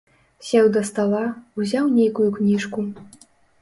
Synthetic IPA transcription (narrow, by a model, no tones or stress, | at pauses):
sʲɛwd̪ɐst̪alˠauzʲawnʲejkujuknʲiʂku